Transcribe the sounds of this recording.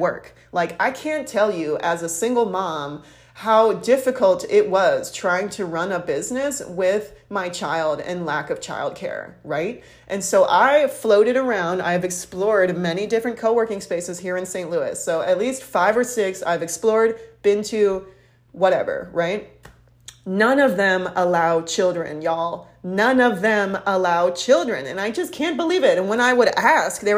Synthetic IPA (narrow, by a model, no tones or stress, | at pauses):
wɜ̰˞k | laɪkaɪkʰæ̃ntʰɛlˠjɨʔɨzəsɪ̃ŋɡl̩ˠmɑ̃m | haʊdɪfɨkʰl̩ˠtɪʔ̚wʌz̥tʰɹ̥aɪɪ̃ŋtʰɨɹʌ̃nəbɪznɨswɪðmaɪt͡ʃʰaɪlˠdɨ̰̃nlækʌv̥t͡ʃʰa̰ɪlˠd̚kʰɛ̰ɹɹaɪt̚ | ʔɨ̃nsoʊʔaɪfloʊɾɨɾə˞ãʊ̃nda̰ɪɨvɨksplɔɹd̚mɛnidɪfɹɨ̃nkʰoʊwɜ˞kɪ̃ŋspeɪsɨz̥hiɹɨ̃nsẽɪ̃nʔluɪ̰soʊɨtˡlistfaɪvə˞sɪksa̰ɪvɨksplɔɹd̚b̥ɪ̃ntʰʉ | wʌɾɛ̰və̰˞ɹaɪt̚ | nʌ̃nʌvðɨ̃məlaʊt͡ʃʰɪlˠdɹɨ̰̃njɔlˠ | nʌ̃nʌvðɨ̃məlaʊt͡ʃʰɪlˠdɹɨ̰̃nɨ̰̃naɪd͡ʒʌskʰæ̃nb̥əlivɪɾɨ̃nwə̃ñaɪwəɾæsk̚ðə